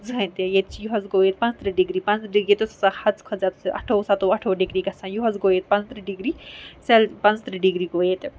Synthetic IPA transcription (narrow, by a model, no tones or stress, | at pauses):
d͡zɦɐ̃t̪ejet̪t͡ʃʰijuɦɐzɡoːjet̪̚pɐ̃nt͡st̪ɾiɖiɡɾiːpɐnt͡st̪ɖiɡiet̪ussahɐt͡skʰɔd͡zat̪sʔɐʈʰoːwsɐt̪oɐʈʰoːɖiɡɾiːɡɐsãːjuɦɐzɡoːjet̪pɐ̃nt͡st̪ɾiɖiɡɾiːselpɐnt͡st̪ɾiɖiɡɾiɡoːjet̪e